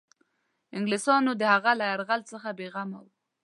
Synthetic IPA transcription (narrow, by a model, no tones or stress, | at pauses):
ɪŋɡlɪsɑnod̪əhaɣalajaɾɣalt͡səxabeɣama̰w